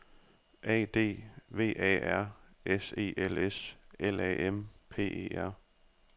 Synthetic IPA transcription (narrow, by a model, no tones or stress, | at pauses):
ʔɛ̰ːd̥e̝̰ːʋe̝̰ːʔɛ̰ːæɐ̰ | ese̝̰ːʔeleselɛ̰ʔempʰe̝̰ːe̝̰ːæɐ̰